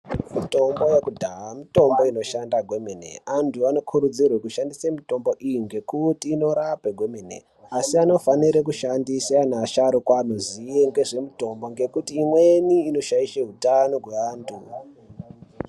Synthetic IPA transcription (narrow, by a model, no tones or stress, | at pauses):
mito̞mbo̞jekudʱaamito̞mbo̞ino̞ʃandaɡʱe̞menḛantʰuano̞kʰuɾud͡zirwekuʃandisemito̞mbo̞ʔijiŋɡe̞kutiːno̞ɾapeɡʱo̞menḛ | asiano̞faniɾek̬uʃandisanaʃaɾokwanozieŋɡe̞ʐe̞mito̞mbo̞ŋɡe̞kutiːmwe̞niːno̞ʃaiʃeɦutano̞ɦweaːntʰu